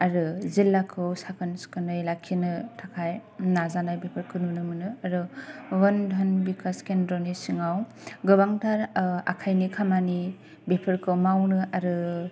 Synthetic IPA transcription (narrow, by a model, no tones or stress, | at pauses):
aɾɯzilːakʰɯwsakʰɯnskʰɯnɯjlakʰːinɯtʰakʰajnazanajbepʰɯɾkʰɯnunɯmɯnɯaɾɯwɯndʱɔnbikʰaskendɾɔnisiŋaw | ɡɯbaŋtʰaɾa̰kʰajnikʰamani | bepʰɯɾkʰɯmawnɯʔaɾɯ